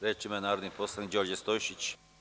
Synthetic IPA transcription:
ɾet͡ʃimanaːɾod̪niposlˠanid͡ʑoɾd͡ʑest̪ojʃit͡ɕ

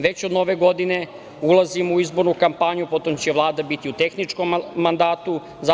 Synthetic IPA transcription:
ʋe̞t͡ɕod̪no̞ʋeɡo̞d̪ine̞ | ulˠazimuizbo̞ɾnukampaɲupo̞t̪omt͡ɕeʋlˠaːd̪abit̪iut̪e̞xnit͡ʃko̞mːand̪aːt̪u | za

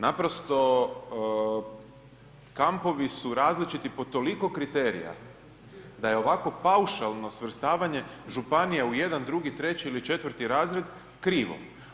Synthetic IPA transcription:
napɾo̞st̪o̞ | kampo̞ʋisuɾaːzlit͡ʃit̪ipo̞t̪o̞liko̞kɾit̪e̞ɾḭja̰ | d̪ajeo̞ʋako̞pawʃalˠno̞sʋr̩st̪aːʋaɲe̞ʒupanijauje̞d̪and̪ɾuɡit̪ɾe̞t͡ɕiːlit͡ʃe̞t̪ʋəɾ̩t̪iɾaːzɾe̞d̪ | kɾiːʋo̰

